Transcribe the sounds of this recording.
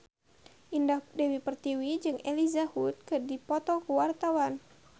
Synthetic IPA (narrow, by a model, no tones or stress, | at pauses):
ʔindahdɛwipərt̪iwid͡ʒɨŋʔelizahut̪̚kɨrdipɔt̪ɔkuwart̪awan